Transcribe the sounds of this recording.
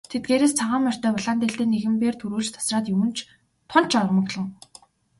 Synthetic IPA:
t̪ʰet̪̚ɡeːɾeːst͡sʰaʁaːmar̥t̪œːpɔɮant̪iɮt̪eːnːeɣɘ̆mpeːrt̪ʰuɾuːɮt͡ɕt̪ʰḁsraːt̪jɵwɘ̆n̥t͡ɕʰ | t̪ʰʊn̥t͡ɕʰɔrmə̆ɣɮɞ̆ŋ

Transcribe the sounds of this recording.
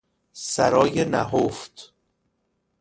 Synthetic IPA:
sæ̰ɾɒːjenæ̰ɦoft̪

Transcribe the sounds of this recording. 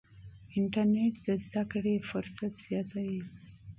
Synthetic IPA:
ɪɳʈaɾneʈ̚d̪əzd̪akɽefʊɾsat̪z̥jɑt̪awi

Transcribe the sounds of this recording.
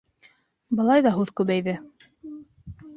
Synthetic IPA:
bɤ̆lˠɑjðɑɦʉðkʉβæjðɘ

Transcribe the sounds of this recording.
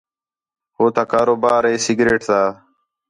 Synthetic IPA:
hoːt̪aːkaːɾoːbaːɾeːsiɡɾeːʈt̪aː

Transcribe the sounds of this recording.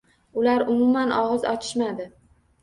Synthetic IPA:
ʊlaɾʊmʊmanʔɒʁɨzɒt͡ʃʰɪ̥ʃmad̪ɪ

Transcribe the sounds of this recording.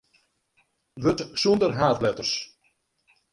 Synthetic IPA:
ʋøtsundərɦaːtlɛtərs

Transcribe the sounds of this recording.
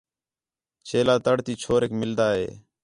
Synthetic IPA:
t͡ʃeːlaːt̪əɽt̪iːt͡ʃʰoːɾeːkmɪld̪aːɦḛː

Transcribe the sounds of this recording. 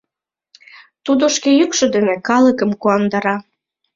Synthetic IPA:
t̪ud̪oʃkejykʃŏd̪enekɑləkə̆mkuɑnd̪ɑɾɑ

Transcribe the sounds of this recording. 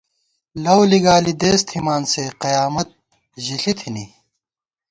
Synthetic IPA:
lɐwliɡaːlid̪eːst̪ʰhimaːnseqɐjaːmɐt̪̚ | ʑiɬit̪ʰini

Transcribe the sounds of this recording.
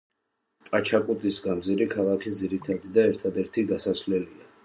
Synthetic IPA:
pʼat͡ʃʰakʼut̪ʼisɡamziɾikʰalˠakʰisd̪ziɾit̪ʰad̪id̪aɛɾt̪ʰad̪ɛɾt̪ʰiɡasasvlɛlia

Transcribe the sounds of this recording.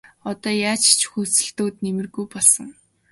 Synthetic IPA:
ɔt̪ɔːjaːt͡ɕt͡ɕʰxuːsɘ̆ɬt̪oːt̪nemɘ̆rɣujpɔɮsɞ̆ŋ

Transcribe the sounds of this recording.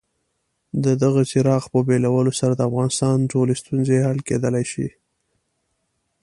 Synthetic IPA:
d̪əd̪aɣat͡ʃɪɾɑɣpəbelawəlosaɾad̪əafɣɑnɪst̪ɑnʈolest̪unzehalked̪əlajʃḭ

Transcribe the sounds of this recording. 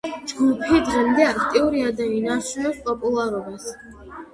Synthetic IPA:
d͡ʒɡupʰid̪ʁɛmd̪ɛakʰt̪ʼiuɾiad̪ainaʃuɛpspʼɔpʼulˠaɾɔbas

